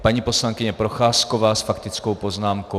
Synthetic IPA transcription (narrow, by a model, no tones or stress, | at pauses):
paɲiːpo̞slaŋkɪɲɛpɾo̞xaːskovaːsfakt̪ɪt͡skowpo̞znaːmko